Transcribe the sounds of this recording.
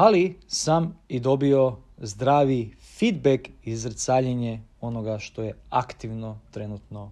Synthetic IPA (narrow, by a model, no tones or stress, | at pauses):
alisamid̪o̞bio̞zd̪ɾaːʋifid̪bekizɾt̪saːʎeɲeo̞no̞ɡaʃt̪o̞je̞akt̪iʋno̞t̪ɾe̞nut̪no̞